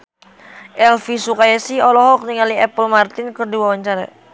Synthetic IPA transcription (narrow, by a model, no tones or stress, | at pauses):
ʔɛlfisukajɛsiɔlɔɦɔk̚niŋaliɛpəlmart̪ɪnkərdiwawaɲt͡ʃaɾa